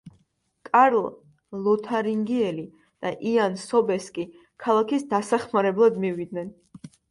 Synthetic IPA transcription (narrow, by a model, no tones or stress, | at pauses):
kʼaɾlˠ | lˠɔt̪ʰaɾiŋɡiɛli | d̪̥aʔiansɔbɛskʼi | kʰalˠakʰisd̪asaχmaɾɛblˠad̪mivid̪̚nɛn